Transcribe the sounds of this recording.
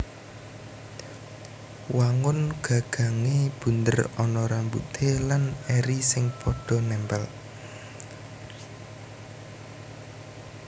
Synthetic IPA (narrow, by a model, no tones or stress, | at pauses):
waŋʊnɡ̥a̤ɡ̥ä̤ŋeb̥ṳnt̪ə̰rɔnɔɾambṵt̪ʰelanɛɾisɪŋpʰɔɖ̥ɔ̤nɛmpɛl